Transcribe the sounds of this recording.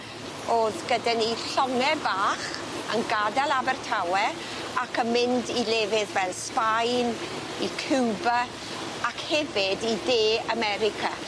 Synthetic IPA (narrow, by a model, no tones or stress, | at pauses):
oːðɡ̥ədaniɬɔŋɛbaːχ | ə̰nɡadalˠabɛrtʰawɛ | akʰəmɪndilɛːvɪðvɛlˠspajn | ikʰɪwba | akhɛvɪdideːamɛɾɪkʰa